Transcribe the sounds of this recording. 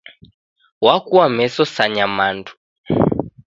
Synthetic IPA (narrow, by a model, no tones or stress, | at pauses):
wakuamɛsɔsaɲamantʰu̥